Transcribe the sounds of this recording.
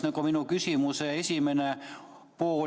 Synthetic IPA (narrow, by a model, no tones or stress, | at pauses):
nekominukysimuseesimene | puo